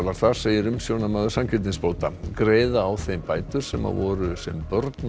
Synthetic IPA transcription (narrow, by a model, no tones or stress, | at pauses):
laɾ̥θaɾ̥seːjɪɾʏmsjownamaðʏ̥samcʰɪɾt̪ɪnspoːwt̪akɾeːjðaːwθejmpaːjt̪ʏɾ̥sɛma̰vɔɾʏsɛmpœɾt̪n